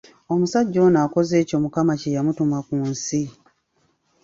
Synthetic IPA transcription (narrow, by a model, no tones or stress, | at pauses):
o̞musaɟːo̞ːnaːko̞ze̞ːco̞mukamacejamutumwakuːnsi